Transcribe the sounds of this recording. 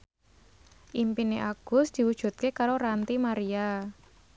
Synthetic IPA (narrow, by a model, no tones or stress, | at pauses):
ʔimpineʔaɡ̥ʊ̤sd̪̥i̤wud̥ʒ̥ṳt̪̚kekaɾoɾant̪imaɾia